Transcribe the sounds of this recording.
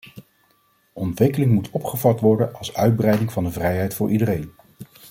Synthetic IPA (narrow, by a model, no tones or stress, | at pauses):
ʔɔntʋɪkəlɪŋmutʰɔpχəvɑtʋɔɹdənɑlˠsœɥd̚brɛjdɪŋvɑndəvrɛjɦɛjtfʊːɹʔidərejn